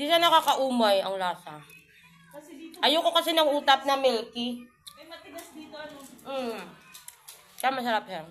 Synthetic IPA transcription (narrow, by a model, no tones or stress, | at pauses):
d̪iːʃanɐkaːkɐʔuːmɐjɐŋlaːsɐ | ʔɐjokokɐsɛnɐŋʔuːt̪ɐp̚nɐmɛlki | kjamɐsɐɾap̚hɛn